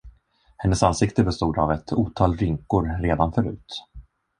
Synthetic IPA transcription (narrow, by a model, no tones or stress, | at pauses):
hɛnːəsansɪkt̪əbɛst̪uːd̪avɛt̪ʰuːt̪ʰɑːlɾʏŋkʊɾɾeːd̪anfœɾʉ̟ːt̪